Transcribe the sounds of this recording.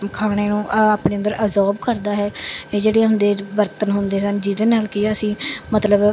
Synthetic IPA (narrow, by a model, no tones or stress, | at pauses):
kʰaːɽ̃eːnũːʔaːpɳeːənd̪əɾʔəzɔːbkəɾd̪aːɦɛːeːd͡ʒeːɽeãɦʊnd̪eːbəɾt̪ənɦʊnd̪eːsənd͡ʒid̪enaːlkiəsĩːmət̪ləb